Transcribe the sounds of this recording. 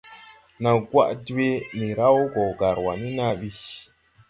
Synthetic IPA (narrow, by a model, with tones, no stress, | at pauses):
na˨ɡwa̰˦˨ʔde˦ni˨ɾa˦wo˦ɡɔ˨ɡa˨ɾwa˨ni˦na˦ɓi˦